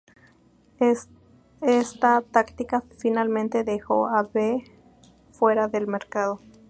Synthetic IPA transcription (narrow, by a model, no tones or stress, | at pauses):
est̪at̪akt̪ikafinalmẽnt̪e̞ðexoaβe | fwe̞ɾaðe̞lmeɾkaðo